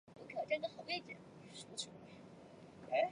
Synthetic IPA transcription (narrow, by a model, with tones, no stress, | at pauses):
u˧˥kʰʈ͡ʂə˥nd̪ə˨xɑ˨˩ʊwɛ˥˩ɪt͡ɕjɛ̰˨˩˦n | ʂu˧˥t͡sʰṵ˨˧˥ | a˧˥